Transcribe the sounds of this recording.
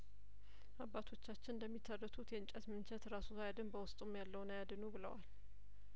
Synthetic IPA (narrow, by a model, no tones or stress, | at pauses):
ʔabːat̪ʰo̞t͡ʃːat͡ʃːɪnd̪əmːit̪ʰːərət̪ʰut̪jɛɨnt͡ʃʼət̪mɨnt͡ʃʰɛt̪ɾasuajad̪ɨnbəwʊst̪ʼumjalːəwnəjad̪ɨnubɨlə̰wal